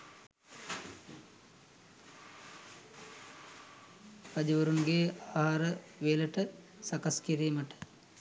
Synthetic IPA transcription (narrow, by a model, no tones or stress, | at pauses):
pɐd͡ʒɐʋəɾunɡeːaːɦaːɾəʋeːləʈə | sɐkɐskiɾeːməʈə̥